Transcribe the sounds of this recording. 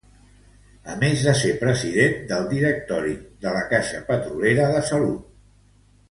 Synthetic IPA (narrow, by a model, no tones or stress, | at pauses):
əmezðəsepɾəziðend̪əlˠd̪iɾək̚t̪ɔɾid̪ələkaʃəpət̪ɾuleɾəðəsəlut̪̚